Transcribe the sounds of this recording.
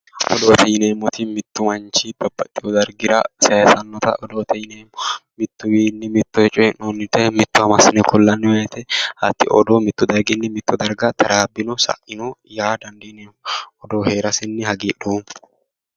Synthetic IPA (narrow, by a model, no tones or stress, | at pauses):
ʔɔ̰d̪oːt̪ɛjɪneːmɔt̪ɪmɪt̪ːʊmɐnt͡ʃɪb̥ɐbːɐt̪ʼːɪjɔd̪ɐɾɡɪɾɐ̰sɐsɐnːɔt̪ɐ̰ʔɔd̪oːt̪ʰɛjɪneːmɔmɪt̪ːʊwiːnːɪmɪt̪ːɔɛt͡ʃʼɔɛnɔnːɪt̪ːɛmɪt̪ːʊwɐmɐsɪnɛkɔlːɐnːɪwɐɛt̪ɛhɐt̪ːɪ̰ʔɔd̪omɪt̪ːʊd̪ɐɾɡɪnːɪmɪt̪ːɔd̪ɐɾɡɐt̪ʰɐɾaːbːɪnɔsɐ̰ʔɪnɔjaːd̪ɐnd̪ɐjneːmɔɔd̪oːhe̞ːɾɐsɪnːɪhɐɡiːɗuːn